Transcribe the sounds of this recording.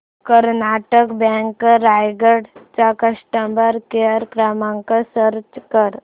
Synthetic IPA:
kəɾnaʈəkbɛ̃ŋkɾajɡəɽt͡ʃakəʂʈambəɾkeəɾkɾamãŋkəsəɾt͡ʃkəɾ

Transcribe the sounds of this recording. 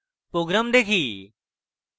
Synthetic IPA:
pɾoːɡɾaːmd̪eːkʰiː

